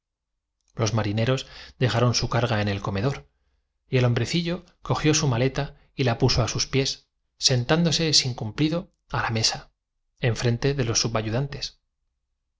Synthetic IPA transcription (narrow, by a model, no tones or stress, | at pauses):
lo̞zmaɾine̞ɾo̞sd̪e̞ɣaɾo̞nsukaɾɣae̞ne̞lko̞me̞ðo̞ɾ | ie̞lo̞mbɾe̞θiʎo̞ | ko̞xjo̞sumale̞t̪a | ilapuso̞asuspje̞sː | e̞nt̪and̪o̞se̞siŋkumpliðo̞ | alame̞sa | e̞ɱfɾe̞nt̪e̞ðe̞lo̞sːuβaʝuðant̪e̞s